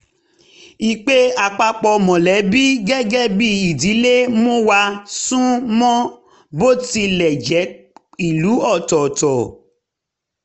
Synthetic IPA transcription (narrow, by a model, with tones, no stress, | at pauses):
i˨k͡pe˦a˨k͡pa˧k͡pɔ˧mɔ̃˨lɛ˨˦bi˦ɡɛ˦ɡɛ˦bi˦i˨di˨˦le˦mõ˦wa˧sũ˦mɔ̃˦ | bo˦ti˧lɛ˨d͡ʒɛ˨˦ | i˦˨lu˨˦ɔ˦˨tɔ˨tɔ˨